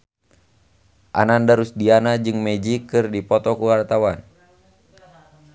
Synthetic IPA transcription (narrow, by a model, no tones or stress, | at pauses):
ʔa̰nandaɾusdianad͡ʒɨŋmɛd͡ʒikɨrdipɔt̪ɔkuwart̪awan